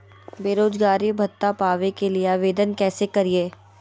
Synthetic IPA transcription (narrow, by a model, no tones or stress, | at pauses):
beːɾoːd͡ʒɡaːɾibʱɐt̪ːapaːʋekelieaːʋeːd̪ənkɛːsekɐɾieː